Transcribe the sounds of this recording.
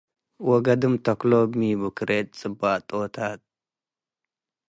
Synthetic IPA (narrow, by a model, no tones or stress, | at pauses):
wɔɡɐd̪ɨmt̪ʰɐklomibukʰɨɾʔet̪̚t͡sʼɨbːat̪ʼot̪ʰat̪̚